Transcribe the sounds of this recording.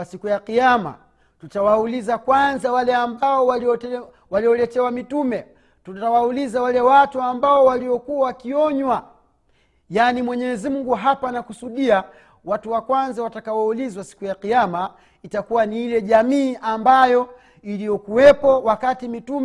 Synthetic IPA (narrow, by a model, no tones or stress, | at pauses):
sikujaqiama̰ | tutawaulizakwanzawalɛambaɔwaliɔ | waliɔlɛtɛwamitumɛ | tutawaulizawalɛwatuambaɔwaliɔkuwawakiɔɲwa | jaːnimwɛɲɛzimuŋɡuɦapanakusuɗia | watuwakwanzawatakawaulizwasi̥kujaqijama | itakuwaniilɛʄamiːʔambajɔ | ilijɔkuwɛpɔwakatimitumɛ